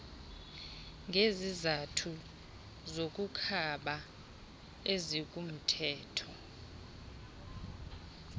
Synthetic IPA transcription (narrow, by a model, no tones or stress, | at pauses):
ŋɡʱezizatʰu | zok̬ʼukʰaɓa | ezikʼum̩tʰɛːtʰɔ